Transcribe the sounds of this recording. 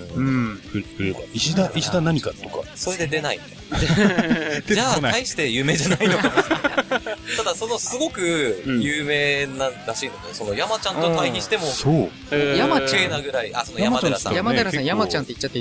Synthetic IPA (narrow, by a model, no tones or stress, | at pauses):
ɯ̟̃ɯ̟ɾɯaiɕid̪aiɕid̪anaɲ̟ikat̪ːoka̰so̞ɾe̞d̪e̞d̪e̞naḭ | d͡ʑa | d͡ʑaːaiɕi̥t̪e̞jɯ̟ːme̞ːʑanainoka | t̪ad̪aso̞no̞sɨɡo̞kɯ̟jɯːme̞ːnaɾaɕiːno̞d̪eso̞no̞jamat͡ɕãnt̪ot̪aiɲiɕi̥t̪e̞mo̞soː | jamaenaɡɯ̟ɾaia̰sonojamaadaɾasã̰jamad̪eɾasãjamat͡ɕãnt̪eit͡ɕːat̪ːe